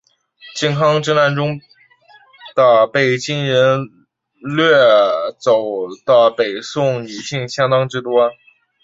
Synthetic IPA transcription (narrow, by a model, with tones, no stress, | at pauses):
t͡ɕjɛ˥˩nkʰɑ˥ŋʈ͡ʂɻ̩˥na˥˩nʈ͡ʂʊ˥ŋ | d̪̥ə˨pe˥˩ɪt͡ɕi˥nɻə˧˥n | lɥɛ˥˩t͡so˨˩ʊd̪̥ə˧pe˨˩ɪsʊ˥˩ŋi˨˩ɕi˥˩ŋɕjɑ˥ŋt̪ɑ˥ŋʈ͡ʂɻ̩˥˧t̪wɔ˥